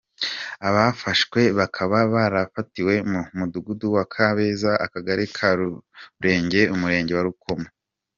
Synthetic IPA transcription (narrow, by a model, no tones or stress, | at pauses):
aβafaʃkwe̞βakʰaβaβaɾafatiwe̞mumuduɡuduwakʰaβezaʔa̰kaɡaɾekʰaɾuɾe̞ːɲɟe̞umuɾe̞ːɲɟe̞waɾuko̞ma